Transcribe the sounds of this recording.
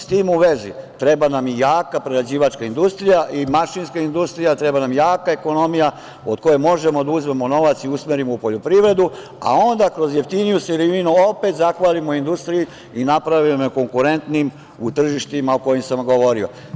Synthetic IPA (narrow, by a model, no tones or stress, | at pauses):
st̪iːmuʋe̞zit̪ɾe̞banamijaːkapɾeɾad͡ʑiːʋat͡ʃkaind̪ust̪ɾijaʔimaʃinskaind̪ust̪ɾijat̪ɾe̞banamjaːkae̞ko̞no̞mija | od̪ko̞je̞mo̞ʒe̞mo̞d̪auzme̞mo̞no̞ʋat̪siusmeɾimoupo̞ʎo̞pɾiʋɾe̞d̪u | a̰o̞nd̪akɾo̞zje̞ft̪inijuseɾiʋinuo̞pet̪zaxʋaːlimoind̪ust̪ɾiji | inapɾaʋieko̞ŋkuɾe̞nt̪nim | ut̪r̩ʒiʃt̪imaoko̞jimsamɡo̞ʋo̞ɾio̰